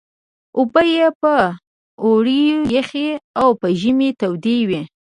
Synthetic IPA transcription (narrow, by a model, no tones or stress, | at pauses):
ʊbəjepə | oɽijəxeawpəʒəmet̪awd̪ewi